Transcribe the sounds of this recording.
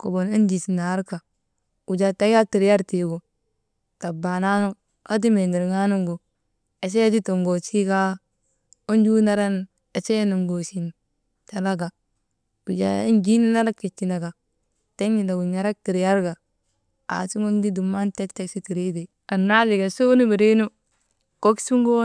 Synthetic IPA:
ko̰˨bo˨ne˦nd͡ʒi˨si˨na˨˦ɾka˨ | u˨d͡ʒa˨ta˦ɡa˦ti˨ɾja˦ɾti˨ɡo˨ | ta˨ba˨na˦no˦ | a˦d̬i˦me˨ni˨ɾŋa˦nu˦ŋɡo˨ | e˨s̬e˦ja˦si˦to˨ŋɡo˨t͡ʃi˦ɡa˦ | o˦nd͡ʒu˦na˦ɾa˦n | e˨se˦je˦nu˨ŋɡo˨si˨n | ta˨la˦ɡa˨ | b̥i˨d͡ʒa̰˨i˦nd͡ʒi˦ni˦na˦ɾa˦kti˨t͡ʃːi˨na˨ɡa˨ | te˦ŋi˨na˨ɡu˨ɲa˨˦ɾa˦k̚ti˨ɾja˦ɾɡa˨ | a̰˨si˦ŋo˦ndi˦du˨mːa˦nte˦kte˦ksi˦ti˨ɾi˦de˨ | a˨nːa˦li˨ɡa˨so˦nu˦bi˨ɾi˦nu˦ | ko˦ksu˦ŋɡo˦

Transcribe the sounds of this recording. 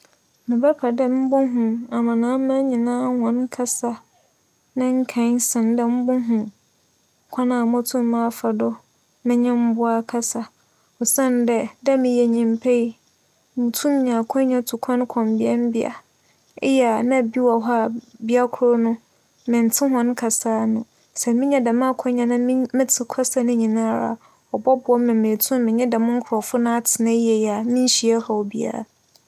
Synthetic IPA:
mɪ̃˨bɛ˦pʰa˨dɛ˦m̩˦bʊ̃˦ɦũ˨a˨mã˨nãː˨˦mã˦ɲĩ˨nãː˦hɔ̃˨nkʰa˦sa˦ | nã˦ŋ̩˦kʰã˨˦n˦sɪ̃˨ndɛ˦m̩˦bʊ̃˦ɦũ˨ | kʷʰã˦nã˨mʊ̃˦tʰũ˦m˦mã˦˨fa˨dɔ˦ | mɪ̃˦ɲɛ̃˦m̩˦bʊ˦a˦kʰa˦sa˨ | ɔ˨sã˦˨ndɛ˨dɛ˦mɪ̃˨jɛ˨ɲĩ˨mpʰe˦i˦ | mɪ̃˨tʰũ˦m˦ɲã˨kʰɔ̃˦ɲã˦tʰu˨kʷʰɔ̃˦n˦kʰɔ̃˨mbɪ˦a˦m̩˦bɪ˦a̰˨ | ɛ˦jnã˦˨bi˦wa˨ɦa˦˨bi˦a˦kʰʊ˨ɾɔ˦nʊ̃˦ | mɪ̃˨n˨tʰɪ̃˦ɦɔ̃˦n˦kʰa˨saː˦nʊ̃˨ | sɛ˨mɪ̃˦ɲɛ̃˦dɛ˨mã˦a˦˨kʷʰɔ̃˦ɲã˨nã˦m˦mɪ̃˦tʰɪ˨kʷʰa˦sa˦nʊ̃˦ɲĩ˨nã˦˨ɾa̰˨ | ɔ˨bɔ˦bʊ˨ɔ˦mɪ̃˨mẽ˨tʰũ˦mmɪ̃˨ɲɛ̃˦dɛ˨mʊ̃˦ŋ̩˦kʰʊ˨ɾɔ˨fʊ˦nã˦a˦tʰɪ˨nã˦jɛ˨ja˨mĩ˦n˦ɕi˨ɛ˦ha˨wɔ˨bi˦a̰˦ɾa̰˨

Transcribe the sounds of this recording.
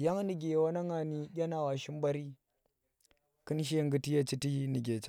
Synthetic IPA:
ja˦ŋ˦ni˨ɡʲe˨wa˦na˦ŋa˨ni˦ɡʲa˦na˨wa˨ʃi˦mba˦ɾi˦ | kɨ˦nʃ̬e˦ŋ˦ɡɨ˦ti˦ja˦t͡ʃi˦ti˦ni˨ɡʲe˨t͡ʃ

